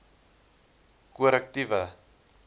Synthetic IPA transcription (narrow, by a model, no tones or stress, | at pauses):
kuəɾɛk̚tivə